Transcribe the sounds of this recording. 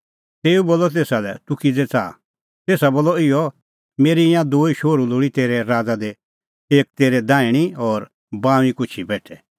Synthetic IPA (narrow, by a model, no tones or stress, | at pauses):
t̪eːuboːlɔt̪̬eːsalɛ̰t̪ʊkid͡zɛt͡sa̰ː | t̪eːsaboːlɔɪɔ | meːɾiɪjãd̪oːiʃoːɾuloːɽit̪eːɾɛɾaːd͡zad̪e | eːk̚t̪eːɾɛd̪ãːɪɽ̃iɔːɾ | bãːĩkʊt͡ʃʰibɛːʈʰɛ